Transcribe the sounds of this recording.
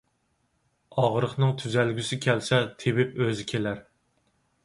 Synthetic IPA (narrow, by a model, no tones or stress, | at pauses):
ɑʁɾəχnɨŋt̪ʰyzælɡʲysɪkʲʰælsɛt̪ʰebɪpøzɪkʲʰelæɾ